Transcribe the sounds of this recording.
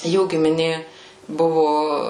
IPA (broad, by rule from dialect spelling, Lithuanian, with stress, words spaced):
ˈjuː ɡʲɪmʲɪˈnʲeː ˈbʊʋʊ